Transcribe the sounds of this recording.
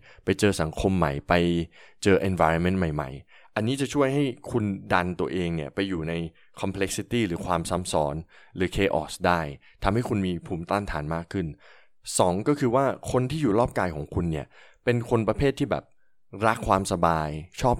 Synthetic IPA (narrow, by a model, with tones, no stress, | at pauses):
pa˧jt͡ɕɤː˧sa˩˦ŋkʰo˧mːa̰˨˩jpa˧jt͡ɕɤː˧ʔe˧nfa˧jɾɔ˧nme˦˥nma˨˩jma̰˨˩j | ʔa˧nːiː˦˥t͡ɕa˨˩t͡ɕʰu˥˩əjɦa˥˩jkʰu˧nda˧nt̪u˧ɐʔeː˧ŋni˥˩ɐpa˧jːuː˨˩na˧j | kʰɔ˧mpʰle˦˥k̚si˧˥t̪iː˥˩ɾɯː˩˦kʰwaː˧msa˦˥msɔː˩˥nɾɯː˩˦kʰeː˧ʔɔ̰ː˨˩sdaː˥˩jt̪ʰa˧mha˥˩jkʰu˧nmiː˧pʰuː˨˩˦mt̪aː˥˩nt̪ʰaː˩˦nmaː˥˩kʰːɯ˥˩n | sɔː˩˦ŋkɔː˥˩kʰɯː˧waː˥˩kʰo˧nt̪ʰiː˥˩juː˨˩ɾɔː˥˩p̚kaː˧jkʰɔː˩˦ŋkʰu˧nːi˥˩ɐpe˧nkʰo˧npɾa˧pʰeː˥˩t̪ʰːiː˥˩bɛ̰˨˩p̚ | ɾa˦˥kʰwaː˧msa˧baː˧jt͡ɕʰɔː˥˩p̚